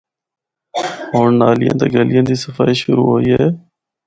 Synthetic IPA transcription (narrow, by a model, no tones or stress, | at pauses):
ɦoːɳnaːlɪjã̰ːt̪eːɡelɪjãːd̪iːsəfaːiːʃʊɾṵːɦoːiːɦeː